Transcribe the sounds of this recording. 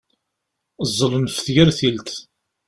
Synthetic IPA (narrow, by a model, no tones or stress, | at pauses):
zˤːəlnfθʝæɾθilt̪